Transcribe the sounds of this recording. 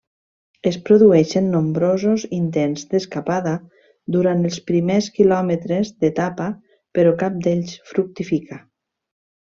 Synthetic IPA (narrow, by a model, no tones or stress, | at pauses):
əspɾoðuɛʃənːombɾozozint̪enzd̪əskapaða | d̪uɾant̪əlˠspɾimeskilɔmət̪ɾezd̪et̪apa | peɾɔkap̚d̪eʎsfɾuk̚t̪ifikʰa